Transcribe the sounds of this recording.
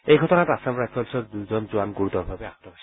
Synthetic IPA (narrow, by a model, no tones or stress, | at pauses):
ejɡʱɔt̪onaɾasamɾad͡ʑfɔlʃoɾd̪ud͡ʑond͡ʑoanɡuɾut̪ɔbʱabeaɦt̪obaʃi